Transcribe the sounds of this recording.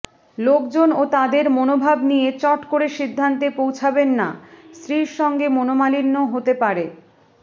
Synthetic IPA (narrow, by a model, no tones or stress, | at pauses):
lokd͡ʑonot̪ad̪eɾmonobʱabnijet͡ɕɔʈkoɾeʃid̪ʱːant̪epowt͡ɕʰabenːa̰st̪ɾiɾʃɔŋɡemonomalinːoɦot̪epaɾe